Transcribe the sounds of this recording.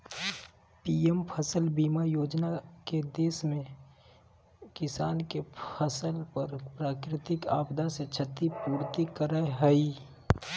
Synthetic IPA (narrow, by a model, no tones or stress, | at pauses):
piempʰəsəlbiːmajoːd͡ʒnaked̪eːsmẽ | kɪsaːnkepʰəsəlpəɾpɾaːkɾɪt̪ɪkaːbd̪aset͡ʃʰət̪ipuːɾt̪ikəɾaeɦəi